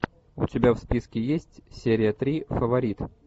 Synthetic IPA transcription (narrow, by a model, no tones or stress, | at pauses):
ʊtʲɪbʲafspʲiskʲɪjesʲtʲsʲeɾʲɪjət̪ɾʲifəvɐɾʲit̪